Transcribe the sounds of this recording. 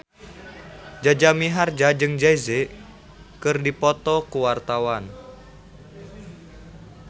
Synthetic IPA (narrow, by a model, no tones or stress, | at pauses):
d͡ʒad͡ʒamiɦard͡ʒad͡ʒɨŋd͡ʒaizɛʔ | kɨrdipɔt̪ɔkuwart̪awan